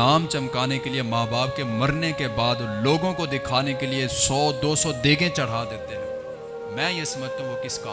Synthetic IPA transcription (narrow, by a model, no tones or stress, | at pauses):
aːmt͡ʃɐmkaːnekeliemaːbaːp̚kemɐɾnekebaːd̪loːɡõkod̪ɪkʰaːnekeliesɔːd̪oːsɔd̪eːɡẽt͡ʃɐɽ̤ad̪eːt̪eɦɛ̃ː | mɛ̃ːjesɐməd͡ʒʱt̪ãɦũkɪskaː